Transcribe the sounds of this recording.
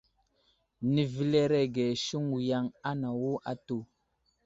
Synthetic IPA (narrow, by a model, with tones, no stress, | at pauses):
ni˨vi˦le˦ɾe˦ɡe˨ʃu˦ŋwu˨ja˦ŋa˦na˨wo˦ʔa˦to˨